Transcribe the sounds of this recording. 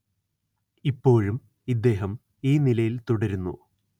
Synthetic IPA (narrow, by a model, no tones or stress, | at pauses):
ipːo̞ːɻum | id̪ːe̞ːɦɐm | iːnilɐjilt̪uɽɐɾunːṵ